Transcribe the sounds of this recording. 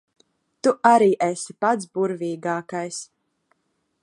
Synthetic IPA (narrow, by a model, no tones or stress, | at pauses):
t̪uʔaɾiːʔɛsi̥pat̪sbuɾviːɡaːkajs